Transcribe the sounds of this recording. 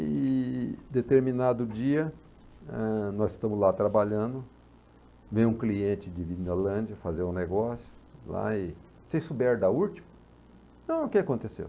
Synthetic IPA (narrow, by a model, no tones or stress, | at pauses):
ɪ | d̪et̪eɾminad̪ʊd͡ʒiɐ | ɛnɔzɪst̪ɐ̃mʊzlat̪ɾabaʎɐ̃nd̪ʊ | vẽjũkliẽnt͡ʃɪd͡ʒɪvinolɐ̃d͡ʒiɐfazẽɾũneɡɔsjʊla̰ɪ | sesubɛɾd̪aut͡ʃimʊ | nɐ̃w̃ʊkɪakõnt̪esḛw